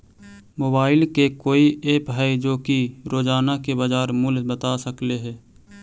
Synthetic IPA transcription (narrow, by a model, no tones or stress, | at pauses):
moːbaːɪlkekoːiʔeːpɦad͡ʒoːkiɾoːd͡ʒaːnakebɐd͡ʒaːɾmʊlbət̪asəkleɦɛː